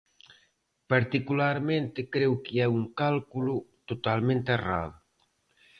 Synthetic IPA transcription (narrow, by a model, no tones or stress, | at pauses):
paɾt̪ikulaɾment̪ekɾɛwkiɛuŋkalkulut̪ot̪almẽnt̪era̰ðu